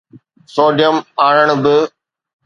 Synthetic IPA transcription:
soːɖijəmaːɽəɽ̃̆bɪ

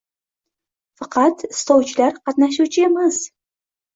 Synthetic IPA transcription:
fɑqʰɑt̪ɪ̥st̪ɒwt͡ʃʰɪlaɾqʰɑt̪naʃ̬uwt͡ʃʰɪemɪz̥

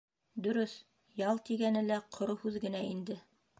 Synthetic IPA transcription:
d̪ɵ̆ɾɵθ | jɑlˠt̪iɡænɘlæqʰŏɾohʉðɡɘ̆næind̪ɘ

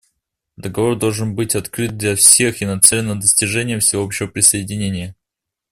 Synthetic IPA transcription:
d̪əɡɐvo̞rd̪olˠʐɨnbɨtʲɐt̪kɾɨt̪̚d̪lʲɐfsʲe̞xɪnɐt̪sɛlʲɪnːəd̪əsʲtʲɪʐɛnʲɪjəfsʲɪvoopɕːɪvəpɾʲɪsəɪdʲɪnʲenʲɪjə

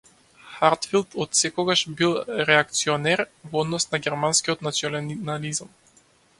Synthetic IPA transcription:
xaɾt̪filˠt̪ɔt̪sɛkɔɡaʃbilˠɾɛak̚t̪siɔnɛɾvɔd̪nɔsnaɡʲɛɾmanskiɔt̪nat̪siɔlnalizam

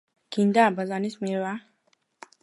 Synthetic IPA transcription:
kind̪abazanismiɾwa

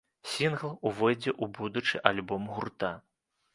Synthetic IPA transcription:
sʲinɣlˠuvɔjd͡zʲɛʔubud̪ut͡ʂɨʔalʲbɔmɣurt̪a

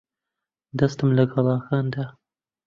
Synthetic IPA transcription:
d̪ɐst̪ɨmlɐɡɐlˠɑːxaːnd̪aː

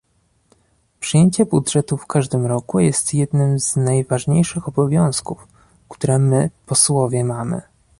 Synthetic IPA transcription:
pʂɨjeɲt͡ɕɛbudʐɛt̪ufkaʐd̪ɘmɾɔkujɛst̪jɛd̪nɘmz̥najvaʐɲejʂɘxɔbɔvʲjɔ̃w̃skuf | kt̪uɾɛmɘpɔswɔvʲjɛmamɘ̰

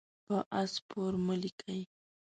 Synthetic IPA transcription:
paʔaspʊɾmʊlɪkʰaj

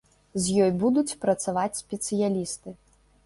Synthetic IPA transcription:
zʲjɔjbud̪ut͡sʲpɾɐt̪savat͡sʲsʲpʲɛt̪sɨjalʲist̪ɨ

